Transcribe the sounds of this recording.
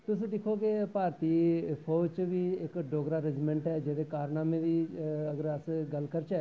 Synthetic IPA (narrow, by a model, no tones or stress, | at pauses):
t̪ʊsĩd̪ɪkʰokepaːɾt̪ipʰoːt͡ʃbʱiɪkɖoːɡɾaɾɪd͡ʒmɛ̃ɳʈɦɛd͡ʒɛːd̪ekaːɾnaːmẽd̪iɐɡəɾəsɡɐlkəɾt͡ʃɛː